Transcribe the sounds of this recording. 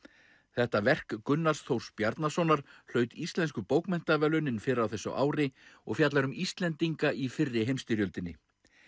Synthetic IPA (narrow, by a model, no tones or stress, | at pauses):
θɛht̪avɛr̥kːʏnːḁsθowspjaɾt̪nasɔnaɾ̥l̥œːɥt̪ist̪lɛnskʏpoːwkmɛn̥t̪avɛːlʏnɪnfɪːɾɪɾawθɛsʏ̰ʔa̰ːwɾɪɔɣfjat̪laɾʏmist̪lɛnt̪iŋkaʔifɪrːɪɦejmst̪ɪɾjœlt̪ɪnːɪ̰